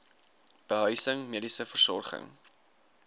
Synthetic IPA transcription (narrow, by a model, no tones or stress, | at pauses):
b̥əɦœɥsəŋmiədisəfərsɔ̰rχə̰ŋ